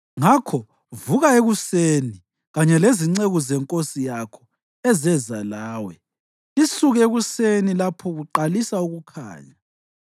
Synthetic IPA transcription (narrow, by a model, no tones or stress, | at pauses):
ŋakʰɔ | vuɣaeɣuseni | ɣaɲɛleziŋ͡ǀeɣuzɛŋkʼosijakʰɔ | ɛzɛzalaːwɛ | isuɣeɣusenilapʰɔɣuǃalisauɣukʰa̰ːɲa